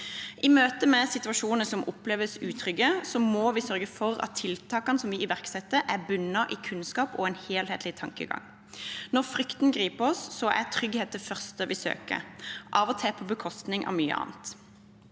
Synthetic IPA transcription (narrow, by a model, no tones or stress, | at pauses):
ʔɪmøːt̪əmɛsɪt̪ʉɑʃuːnəəsɔmʔʊpleːʋəsʉːt̪ʰʁʏɡːəsɔmɔʋɪsœʁɡəfɔʁɑ̰t̪ʰːɪlt̪ʰɑːkɑnəsɔmʋɪɪʋæʁksɛt̪ːəʔæʁbʉnːɑʔikʰʉnskɑːpɔ̰ɛnheːlheːt̪lɪt̪ʰɑŋkə̰ɡɑ̰ŋː | nɔʁfʁʏkt̪n̩ɡʁiːpəɔsːɔʔæt̪ʰʁʏɡheːt̪ʰːəfœʁst̪əʋɪsø̰ːkə̰ʔɑːʋɔt̪ʰɛːpʰɔbəkʰɔst̪nɪŋʔɑ̰ʋmyːə̰ʔɑ̰ːnt̪